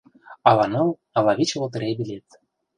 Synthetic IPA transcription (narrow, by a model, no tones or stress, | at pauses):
ɑlɑnɤ̆lˠ | ɑlɑβit͡ɕlot̪̬ɤ̆ɾebʲilʲet̪̚